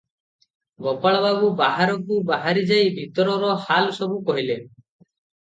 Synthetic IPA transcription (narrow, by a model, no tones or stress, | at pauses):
bɔpaɭɔbabubaɦaɾɔkubaɦaɾid͡ʒajbʱit̪ɔɾɔɾɔhalsɔbukɔɦile